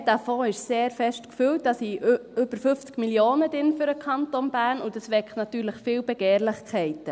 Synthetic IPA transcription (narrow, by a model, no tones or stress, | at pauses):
d̥afoːɪʃseːɾfɛʃtkfywt̚d̥ɑsiʏb̥əɾfʏft͡skmiljoːnədɪnfyɾəkχɑntonb̥æːnʊdɑsʋɛkχtnɑtyːɾləχfɪːwbɛɡ̥eːɾlɪχkʰχɛɪtə